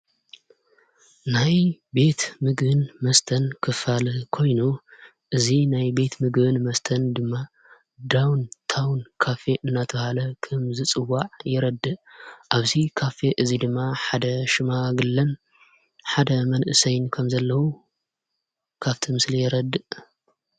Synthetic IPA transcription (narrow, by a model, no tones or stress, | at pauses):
najbe̞t̪mɨɡbɨnmɐst̪ʰɐnkʰɨfalɨkʰo̞jnu | ʔɨzinajbe̞t̪mɨɡbɨnmɐst̪ʰɐnd̪ɨmːa | d̪awnt̪ʰawnkʰafe̞ʔɨnːat̪ʰɐhalɐkʰɐmzɨt͡sʼɨwːaʕjɪɾɐd̪ːɨʔʔaβzikʰafeʔɨzid̪ɨmːaħad̪ɐʃɨmaɡɨlːɐn | ħad̪ɐmɐnʔɨsɐjnkʰɐmzɐlːɐwu | kʰaβt̪ʰimɨslijɛɾɐd̪ːɨʔ